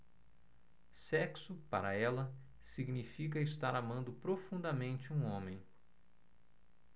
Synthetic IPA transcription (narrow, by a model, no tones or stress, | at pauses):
sɛksʊpa̰ɾɐɛlɐ | siɡnifikɐɪst̪aɾamɐ̃nd̪ʊpɾofũnd̪ɐmẽnt͡ʃɪũõmẽj̃